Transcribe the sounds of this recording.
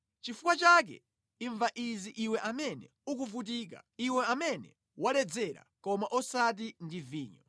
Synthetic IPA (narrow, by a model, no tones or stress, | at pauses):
t͡ʃifukwat͡ʃak̬ɛ̰ | iɱvaʔiziʔiwɛʔamɛnɛ̰ | uk̬uvut̬iːk̬a̰iwɛamɛnɛ̰ | walɛd͡zɛɾa̰kɔmaʔɔsat̬indiviːɲɔ